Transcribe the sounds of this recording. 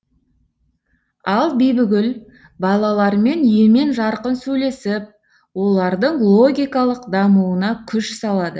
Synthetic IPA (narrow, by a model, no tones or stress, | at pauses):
ɑlˠbijbɪɡʲɪl | bɑlˠɑlˠɑɾme̞nje̞me̞nʒɑɾqənsɵjle̞sɪp̚ | wo̞lˠɑɾd̪əɴlˠo̞ɡʲijkɑlˠəqd̪ɑmuwənɑkʲʰʏʃsɑlˠɑd̪ə